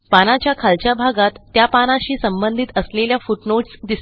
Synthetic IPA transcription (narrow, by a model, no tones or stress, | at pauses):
panat͡ɕjakʰalt͡ɕjabʱaɡat̪ːjapanaɕiːsəmbənd̪ʱit̪əsleljafuʈnoʈsd̪is